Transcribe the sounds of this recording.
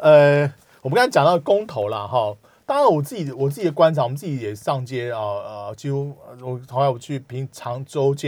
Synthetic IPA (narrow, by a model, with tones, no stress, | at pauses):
ə˧ | wɔ˨˩mə˦˥kt͡ɕa˨ŋt̪ɑ˥˩ə˧ko˦ŋt̪ʰo˧˦ʊla˨ɦɔ˥˨˩ | t̪ɑ˥ŋɻa˧˦nwɔ˨˩t͡s̩˥˩t͡ɕi˨wɔ˨˩t͡s̬ɹ̩˥˩t͡ɕi˨˩ə˦kwa˥nt͡sʰɑ˨˦wə˦˥t͡sɨ˥˩t͡ɕi˨˩jɛ˨˩ʂɑ˥˨ŋt͡ɕjɛ˦˥ə˨˩ə˩t͡ɕʰi˧˥u˥˩wɔ˨˩t̪ʰo˨˧˥ŋa˥˩˨wɔ˨˩t͡ɕʰy˥˩pʰi˧˥˦ŋt͡sʰɑ˧˥ŋʈ͡ʂo˦ʊt͡ɕjɛ˥